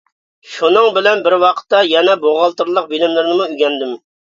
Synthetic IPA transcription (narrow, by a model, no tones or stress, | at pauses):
ʃunɨŋbɪlɛnbɪɾwɑqʰə̥t̪ːɑjɛnɛboʁɑlˠt̪ɨɾlˠəq̚bilɪmlɪɾnɪmuyɡʲɛnd̪ɪm